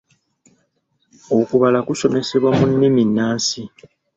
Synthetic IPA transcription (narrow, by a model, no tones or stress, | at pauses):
okuβalakuso̞me̞se̞βwamunːiminːaːnsi